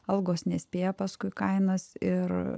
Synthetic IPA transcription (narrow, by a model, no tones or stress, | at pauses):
ɐlˠɡoːsnʲɛsʲpʲeːjɛpɐskʊɪkɐɪnɐsɪr